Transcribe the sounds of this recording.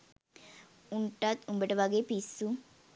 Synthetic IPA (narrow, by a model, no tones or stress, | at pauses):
uɳʈːaːt̪umbeʈːɐʋaɡepisu